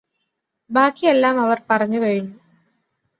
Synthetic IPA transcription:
baːkːijelːaːmɐʋɐrpɐrɐɲːukɐɻinːu

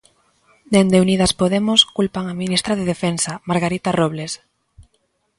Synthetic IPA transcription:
nend̪euniðaspoðemʊskulpaŋaminist̪ɾaðeðefensamaɾɣaɾit̪aroβles

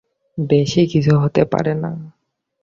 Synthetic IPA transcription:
beʃikisʰuɦot̪epa̰ɾɛna̰

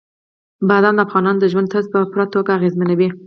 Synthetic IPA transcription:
bad̪anlafɣɑnɑnd̪əʒwand̪t̪ʰazpəpuɾat̪oɡaːɣezmanawi

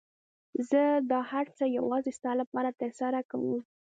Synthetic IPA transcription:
zəd̪ɑhaɾt͡səjawɑzest̪ɑlapɑɾat̪əɾsaɾakawəm

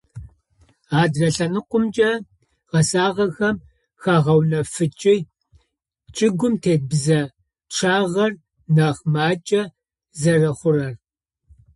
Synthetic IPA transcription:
aːdrɐɬɐnɨqʷʊmt͡ʃʼɐ | ʁɐsaːʁɐxɐm | xaːʁɐwnɐfɨt͡ʃʼɪj | t͡ʃʼɪɡʷʊmtʰeːt̚bzɐ | ʈ͡ʂʰaːʁɐr | naːχmaːt͡ʃʼɐ | zɐrɐχʷʊrɐr

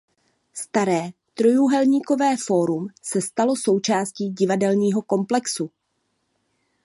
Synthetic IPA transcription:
st̪aɾɛː | t̪ɾo̞juɦɛlɲiːko̞vɛːfo̞ɾumsɛst̪alo̞so̞wt͡ʃaːsciːɟɪvadɛlɲiːɦo̞ko̞mplɛksu

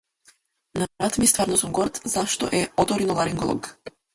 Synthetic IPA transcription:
naɾat̪mist̪vaɾnɔsumɡɔɾt̪zaʃt̪ɔ̰ʔɛɔt̪ɔɾinɔlˠaɾiŋɡɔlˠɔ̰ɡ

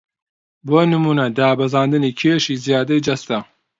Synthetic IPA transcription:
boːnɨmuːnɐd̪aːbɐzaːnd̪ɨniːkʰeːʃiːzijaːd̪ɐjd͡ʒɐst̪ɐ

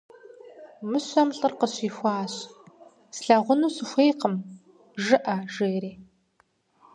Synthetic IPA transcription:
mɨɕʷɐmɬʼɨrqəɕiːxʷɑːɕ | sɬɐʁʷʊnuɕɨxʷejqəm | ʒɨʔɐʒeːɾiː

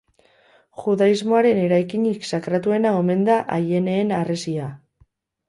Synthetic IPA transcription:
xuðaizmo̞aɾe̞ne̞ɾajkiɲiksakɾat̪ue̞naome̞nd̪aʔaje̞ne̞ːnaresia

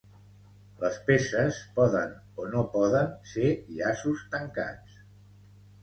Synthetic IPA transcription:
ləspesəspɔðən | onopɔðənseʎasust̪əŋka̰t͡s

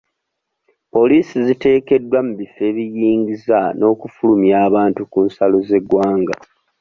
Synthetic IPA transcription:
po̞liːsizite̞ːke̞dːwamuβife̞ːβijiːŋɡizano̞ːkufulumjaːβaːntukuːnsalo̞ze̞ɡwaːŋɡa̰

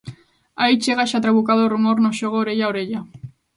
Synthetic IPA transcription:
ait͡ʃeɣaʃat̪ɾaβukaðorumoɾnoʃoɣ̞oːɾeʎaoɾeʎa

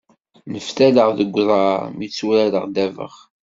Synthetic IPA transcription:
nəfθæləʁðəɡʷːðˤɑɾˤmit͡sːuɾæləʁd̪ævə̰χ

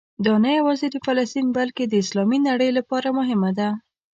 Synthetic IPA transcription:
d̪ɑnajawɑziɾifalast̪inbalked̪əɪslɑminaɽəjlapɑɾamʊɦɪmad̪a

